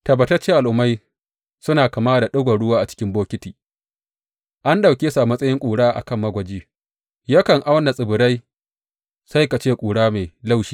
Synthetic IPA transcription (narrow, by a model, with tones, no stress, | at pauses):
tɐ˨bɐ˨tɐ˦t͡ʃeː˦ʔa˨lʔʊ˨˦mːa˦j | sʊ˦naː˨kɐ˨maː˦da˨ɗʊ˦ɡʷa˨ɽʊ˦waː˦ʔa˨t͡ʃɪ̥˦kʲɪ˦mboː˦kʲɪ˦tiː˨ | ʔa˦nɗa˨wkʲe˦sa˨mɐ˦sʼɐ˦jɪ˦ŋkʷʼuː˨ɽaː˦ʔa̰˨kɐ˦˨mːɐ˦ɡʷɐ˨d͡ʒiː˦ | ja˦kɐ˨ŋʔa˦wɐ˦na˨sʼɪ˨bʊ˨ɽa˦j | sa˦jka˨t͡ʃeː˦kʷʼuː˨ɽaː˦meː˨la˦˨wʃiː˦